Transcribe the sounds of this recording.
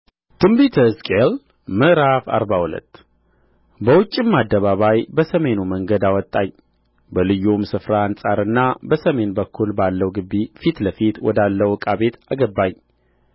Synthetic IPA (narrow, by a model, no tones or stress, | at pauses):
t̪ɨmbit̪ʰəskʼel | mɨʔɾafa̰ɾbahulə̰t̪ː | bəwʊt͡ʃʼːimːad̪ːəβaβajbəsəme̞numəŋɡəd̪awɔt̪ʼːaɲ | bəlɨjːumsɨfɾahansʼaɾɨnːabəsəme̞nbəkʰːulbalːəwɡɨbːifit̪ləfit̪wɔ̰d̪alːəwkʼaβe̞t̪aɡəbːaɲ